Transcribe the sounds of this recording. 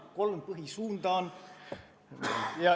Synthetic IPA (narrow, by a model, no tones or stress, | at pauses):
ko̞lmpɤɦisuːnd̪ɑːn | jɑ